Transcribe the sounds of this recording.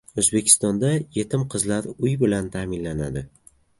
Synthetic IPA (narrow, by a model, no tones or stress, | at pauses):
ozbe̞kʲʰɪ̥st̪ɒnd̪aje̞t̪ʰɪmqʰɨzlaɾʊjbɪlant̪ʰamɪnlanad̪ɪ